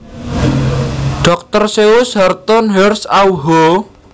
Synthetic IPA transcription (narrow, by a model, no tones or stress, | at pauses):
ɖ̥ɔk̚t̪ərseʊshart̪ɔnɦɛrsawɦo